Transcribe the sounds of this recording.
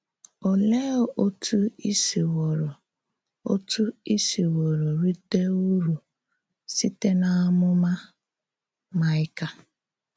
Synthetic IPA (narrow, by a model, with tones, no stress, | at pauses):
o˨le˦o˦tʰu˦i˦si˨wɔ˨ɾ | o̰˦tu˦i˦si˨wo˨ɾo˨ɾi˦te˦u˦ɾu˨ | si˦te˦na˦a˦mʊ˦ma˦ | ma˨ɪ˦ka˦